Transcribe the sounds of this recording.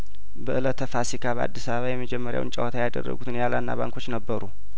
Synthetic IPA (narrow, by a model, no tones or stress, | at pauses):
bəʔɨlət̪ʰəfasikʰaβəa̰d̪ːisaβəβajɛmːəd͡ʒɛmːəɾja̰wɨ̰nt͡ʃʼə̰wət̪ʰajad̪ə̰rːə̰ɡut̪ʰɨnjalanːa̰βa̰ŋkʰo̞t͡ʃːnəbːəɾu